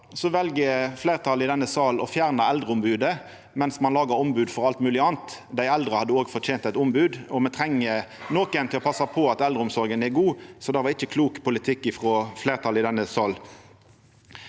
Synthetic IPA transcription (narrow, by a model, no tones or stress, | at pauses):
sɔʋɛlɡəfleːʁt̪ʰɑlɪd̪ɛnːəsɑːlɔfjæːʁnəɛld̪ʁəʊmbʉːd̪ə | mɛnsmɑnlɑːɡəɾʊmbʉːd̪fɔʁɑlt̪mʉːlɪɑːnt̪d̪æɪɛld̪ʁəhɑd̪ːəoːɡfɔʁtʰeːnt̪æɪt̪ʊmbʉːd̪ɔmɛt̪ʰʁɛŋːənoːkənt̪ʰɪlɔpɑsɑpʰɔɑt̪ɛld̪ɾəʊmsɔɾɡənɛɡuːsɔd̪ɛɪʋɑʁɪçːəkʰluːkpʊlɪt̪ʰɪkːɪfʁoːfleːʁt̪ʰɑlɪd̪ɛnːəsɑːl